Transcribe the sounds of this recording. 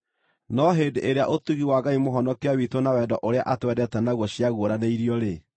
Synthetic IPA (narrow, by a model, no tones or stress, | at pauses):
nɔɦeːdeʔeɾea̰ʔotuɣiwaɡaimoɦɔnɔkeawitwonawɛdɔʔoɾea̰ʔatwɛdɛtɛnaɣwɔɕjaɣoɾaneiɾiɔɾe